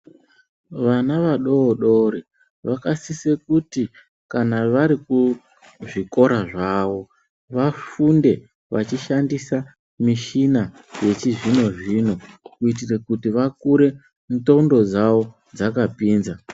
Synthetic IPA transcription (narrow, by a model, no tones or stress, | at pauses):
ʋanaʋaɗo̞ːɗoɾi | ʋakasisekuti | kanaʋaɾiku | ʐiko̞ɾaʐaʋo̞ | ʋafunde̞ | ʋat͡ʃiʃandisa | miʃina | je̞t͡ʃiʐino̞ʐino̞kuit̬irekutiʋakuɾe̞ | nto̞undo̞d͡zaʋo̞ | d͡zakapiːnza